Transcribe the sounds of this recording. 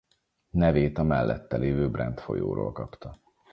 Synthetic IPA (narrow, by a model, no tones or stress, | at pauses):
nɛveːt̪ɒmɛlːʔɛt̪ːɛleːvøːbrɛnt̪fo̞jo̰ːɾo̰ːlkɒpt̪ɒ